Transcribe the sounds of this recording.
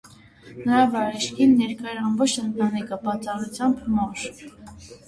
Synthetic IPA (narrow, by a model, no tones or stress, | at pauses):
nəɾɑvɑɾɛʃkʰinːɛɾkɑjɛɾɑmbɔt͡ʃʰənt̪ɑnikəbɑt͡sɑrut͡sʰjɑmbmɔɾ